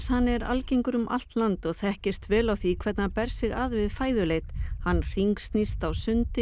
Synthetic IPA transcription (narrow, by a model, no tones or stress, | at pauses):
shanːɛɾa̰lciŋkʏɾʏmʔa̰l̥t̪lant̪ɔɣθɛhcɪst̪vɛːlawθikʰvɛɾt̪napɛɾ̥sɪɣaðvɪðfaːjðʏlejt̪hanːr̥iŋkst̪nist̪awsʏnt̪ɪ